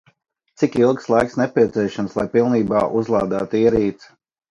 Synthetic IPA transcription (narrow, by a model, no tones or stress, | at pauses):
t̪sikilˠkslˠajksnɛpʲiɛt̪siɛʃamslˠajpilˠniːba̰ːʔuzlˠɑːd̪aːt̪iɛɾiːt̪s